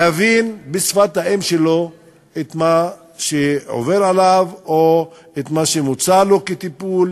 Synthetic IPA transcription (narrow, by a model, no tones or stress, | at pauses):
avinbesfat̪haemʃelo̞ | et̪ma | ʃeʕo̰veʁalavo | et̪maʃemut͡salo̞ket̪ipul